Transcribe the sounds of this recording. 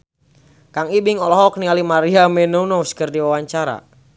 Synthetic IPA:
kaŋibɪŋɔlɔɦɔk̚nialimaɾiamɛnounɔskərdiwawaɲt͡ʃaɾa̰

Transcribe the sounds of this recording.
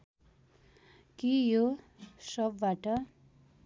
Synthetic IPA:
kijo | sʌb̚baʈʌ

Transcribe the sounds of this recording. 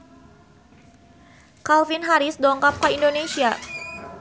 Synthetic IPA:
kalfinɦaɾisdɔŋkap̚kaindonesia

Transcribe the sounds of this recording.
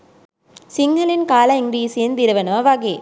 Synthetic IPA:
siŋɡɐlɪnkaːlɐiŋɡɾiːsijɪnd̪ɪɾɐʋɐnɐʋɐʋɐɡeː

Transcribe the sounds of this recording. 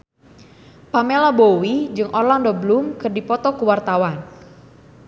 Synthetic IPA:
pamelabowid͡ʒɨŋʔɔrlandɔbəlumkɨrdipɔt̪ɔkuwart̪awan

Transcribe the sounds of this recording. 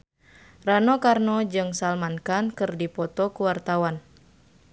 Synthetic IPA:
ranɔkarnɔd͡ʒɨŋsalmankankɨrdipɔt̪ɔkuwart̪awan

